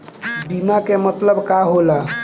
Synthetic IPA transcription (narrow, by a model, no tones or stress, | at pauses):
bimakemət̪ləbkaɦola